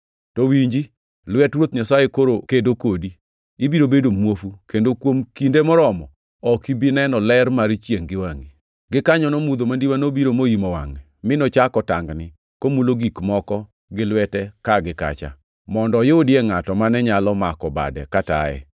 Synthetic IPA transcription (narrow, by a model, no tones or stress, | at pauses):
tɔwiɲd͡ʒi | lwɛtɾwot̪̚ɲasajekoɾokedokodi | ibiɾobedomwofukendokwomkindemɔɾɔmɔ | ɔkibinɛnɔlɛrmaɾt͡ʃjeŋɡɪwaŋi | ɡɪkaɲɔnɔmud̪omandiwanobiɾomojimɔwa̰ŋɛmɪnot͡ʃakɔtaŋɡnɪ | komuloɡikmɔkɔ | ɡɪlwɛtɛkaɡɪka̰t͡ʃa̰ | mɔndɔjoodɪɛŋatɔmanɛɲalɔmakɔba̰dɛ̰kata̰ɛ̰